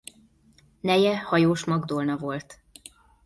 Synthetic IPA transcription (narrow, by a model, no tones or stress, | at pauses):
nɛjɛhɒjoːʃmɒɡd̪olnɒvo̞lt̪